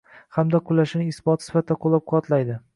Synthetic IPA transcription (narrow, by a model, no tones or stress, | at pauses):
hamd̪aqʰʊlaʃɪnɪɪsbɒt̪sɪ̥fat̪ʰɪd̪aqʰolˠːap̚qʰɒt̪lajd̪ɪ